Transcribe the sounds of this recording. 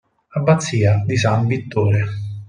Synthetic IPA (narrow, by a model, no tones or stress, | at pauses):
abːat̪sːiːad̪isamvit̪ːoːɾe